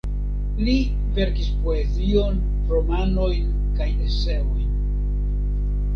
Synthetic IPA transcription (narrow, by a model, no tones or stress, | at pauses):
li | ve̞ɾkispo̞e̞zio̞n | ɾo̞mano̞jn | kajdese̞o̞jn